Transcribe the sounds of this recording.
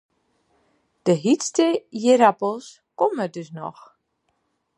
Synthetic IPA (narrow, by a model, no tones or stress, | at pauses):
d̥əɦistəjeɾapəlˠs | kɔmədøsnɔ̰x